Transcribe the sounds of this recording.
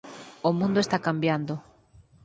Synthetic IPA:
omũnd̪oest̪akambjand̪ʊ

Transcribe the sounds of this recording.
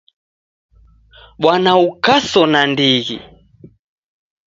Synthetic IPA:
ɓwanaukasɔnandiɣḭ

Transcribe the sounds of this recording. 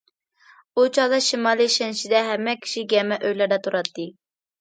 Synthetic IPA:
ut͡ʃʰɑlˠɑʃimɑːlˠiʃɛnʃid̪ɛɦɛmːɛkʲʰi̥ʃiɡʲɛmɛʔøjlæɾd̪ɛt̪ʰuɾɑt̪ʰːɨ

